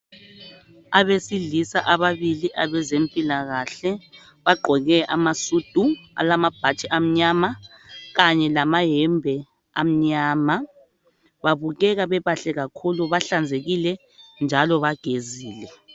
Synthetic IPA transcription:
aβesiɮisaʔaβaβiliʔaβɛzempʼilaɣaɬɛ | βaɡ͡ǃʱɔɣɛʔamasud̥ʱua̰lamab̥ʱat͡ʃʼiʔam̩ɲamaɣaɲɛlamaɦɛmbʱɛ | am̩ɲaːma | βaβuɣɛɣaβɛβaɬɛɣakʰuluβaɬand͡zʱeɣilɛ | nd͡ʒʱalɔβaɡ̥ʱeziːlɛ

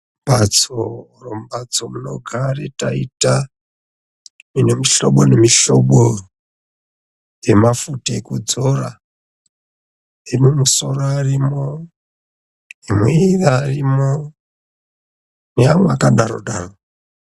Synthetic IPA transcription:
mbat͡so | rombat͡somuno̰ɡʱaretaita | minemiɬoɓonemiɬoɓo | emafutaekud͡zora | emumuso̞roarimo | emiiðaːrimo | neaŋwakaɗaɾo̰ɗaːro

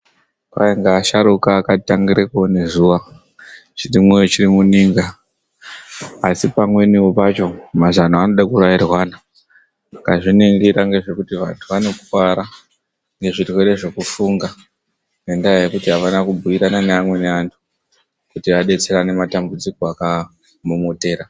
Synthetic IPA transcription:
ka̰eŋɡaːʃaɾukaːkataŋɡiɾekone̞zuʋa | t͡ʃirimwejot͡ʃirimuniːŋɡa | sipamwe̞niopat͡ʃo̞mazanaːno̞ɗakurajirwana | akaʐineŋɡeɾaŋɡe̞ʐe̞kutiʋantʰuʋane̞ku̥kaɾa | ŋɡe̞ʐitweɾe̞ʐe̞kufuŋɡa | nendaajekutiɦaʋanakubʱuiɾananeamwe̞ne̞antʰu̥ | kutiʋaɗe̞t͡se̞ɾane̞matambud͡zikoaka | mumote̞ːɾa

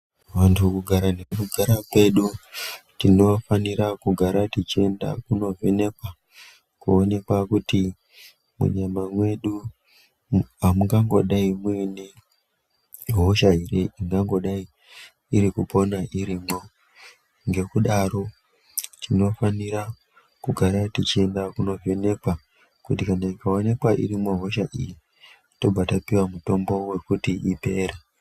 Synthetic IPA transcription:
ʋantʰukuɡʱaɾanekuɡʱaɾakwe̞ɗutino̞faniɾakuɡʱaɾatit͡ʃie̞nda̰kuno̞vene̞kwa | kuone̞kwakuti | mṵɲamamwe̞ɗu | amuŋɡaŋɡo̞̰ɗaimwene | ɦoʃaɦireiŋɡaŋɡo̞ɗaiː | ɾikupo̞naʔiɾiːmo̞ | ŋɡe̞kuɗaɾo̞ | t͡ʃino̞faniɾa | kuɡʱaɾatit͡ʃie̞ndakuno̞vene̞kwa | kutikanaikaone̞kwaʔḭrimoɦo̞ʃaʔḭji | to̞b͡vʱatapiwamuto̞mbo̞we̞kutiʔipe̞ːɾa

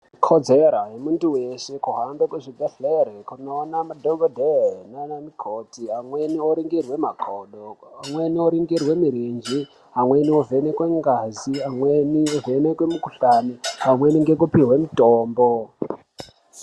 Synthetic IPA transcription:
kʰod͡zeɾajemuntuweʃe̞kuɦanbokweʐibʱeɬerekunoːnamadʱoɡodʱenonamikʰotiamwenioɾiŋɡirwe̞makʰoɗoamwe̞nioɾiŋɡirwe̞miɾind͡ʒi | ɦamwe̞niove̞nekweŋɡaziamweniovenekwemukuɬaniɦamweniŋɡe̞kupiɦwemitoːmbo

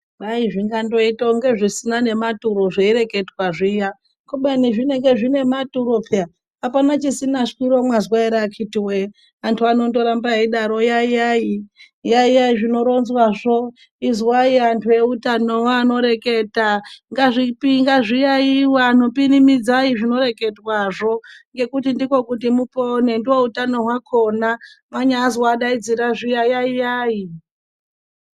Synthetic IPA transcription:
ɓaiʐiŋɡando̞itoŋɡe̞ʐisinane̞matuɾo̞ʐeiɾe̞ke̞twaʐija | kuɓaniʐine̞ŋɡe̞ʐine̞matuɾopea | apanat͡ʃisinaʂkiɾo̞mwazwaiɾakʰitiwe | antʰuano̞ndo̞ɾambaiɗaɾo̞jaijai | jaijaiʐinoɾo̞nzwaʐo̞ | izwaiantʰuje̞utano̞waano̞ɾe̞ke̞taŋɡaʐipiŋɡaʐijaiwaːno̞pinimid͡zaiʐino̞ɾe̞ke̞dwaʐo̞ŋɡe̞kutindiko̞kut̬imupone̞ndiwoutano̞ɦwakʰo̞namaɲaːzwaɗaid͡ziɾaʐijajaijaːi

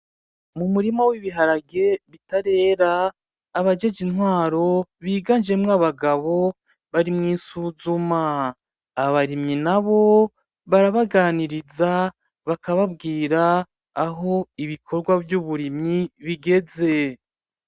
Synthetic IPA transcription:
mumuɾimowiβiɦaɾaɡe̞βitaɾe̞ːɾaː | βad͡ʒe̞d͡ʒinɦwaːɾo̞βiːɡand͡ʒe̞mŋaβaɡaβo̞ | βaɾimŋiːsuːzumaː | βaɾimɲinaβo̞ | βaɾaβaɡaːniɾiza | βakaβabɡiːɾaː | ɦo̞iβikʰo̞ɾɡwavjuβuɾimɲiβiɡe̞ze̞

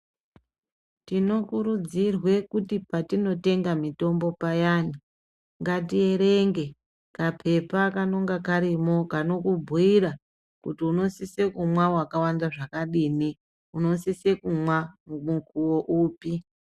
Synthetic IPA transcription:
tino̞kuɾud͡zirwe̞kutipatino̞te̞ŋɡamito̞mbo̞pajaːni | ŋɡatieɾe̞ŋɡe̞ | kapʰe̞pakano̞ŋɡakaɾimo̞kano̞kubʱuiɾa | kutiuno̞sise̞kumwawakawandaʐakaɗiːni | uno̞sise̞kumwamumukuwo̞ʔuːpi

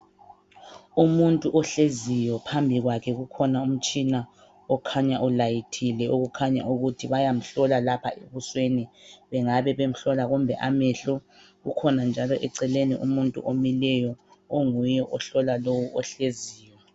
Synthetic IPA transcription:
umuntʼuʔɔɬezijɔpʰambʱiɣwakʰɛɣukʰɔnaum̩t͡ʃʼina | ɔkʰaɲaʔɔlajitʰilɛʔoɣukʰaɲa̰ʔuɣutʰiβajam̩ɬɔlalapʰa̰ʔeβusweniβɛŋaβɛβem̩ɬɔlaɣumbʱɛʔamɛɬɔ | ɣukʰɔnand͡ʒʱalɔʔɛǀɛleniʔṵmuntʼṵʔomilɛjɔoŋujɛʔɔɬɔlalowuɔɬeziːjɔ

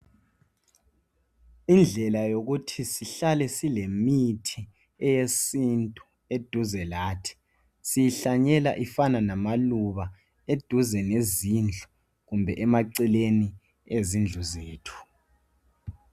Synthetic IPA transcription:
ind͡ɮʱɛlajoɣutʰisiɬalɛsilemitʰi | ɛjesintʼu | ed̥ʱuzɛlaːtʰi̥ | sijiɬaɲɛla̰ʔifananamaluβa | ed̥ʱuzɛnezind͡ɮʱu | ɣumbʱɛʔɛmaǀileni | ezind͡ɮʱuzeːtʰu̥

